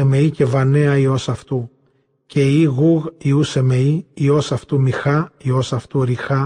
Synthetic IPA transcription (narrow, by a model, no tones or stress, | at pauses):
eme̞ice̞vɐneɐio̞sɐft̪u | ce̞iɣuɣiuse̞me̞iio̞sɐft̪umixɐio̞sɐft̪uɾixɐ